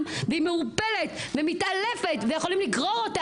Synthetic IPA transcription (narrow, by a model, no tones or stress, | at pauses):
mveimeupelet̪vemitalefetvejexo̞limliɡʁoʁota